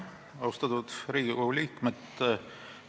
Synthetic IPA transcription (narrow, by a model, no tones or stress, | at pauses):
ɑwst̪ɑt̪ud̪̥ɾiːɡ̥ikoɡulʲiːkmet̪ː